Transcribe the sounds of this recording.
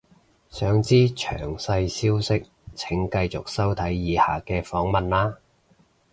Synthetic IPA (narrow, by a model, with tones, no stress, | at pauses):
sœː˨˥ŋt͡siː˥t͡ʃʰœ̰ː˨˩ŋsɐ˧jsiː˥wsɪ˥k̚ | t͡sʰɪ˨˥ŋkɐ˧jt͡sʊ˨k̚sɐ˥wt̪ʰɐ˨˥jːiː˨˧haː˨kɛː˧fɔː˨˥ŋmɐ˨nlaː˥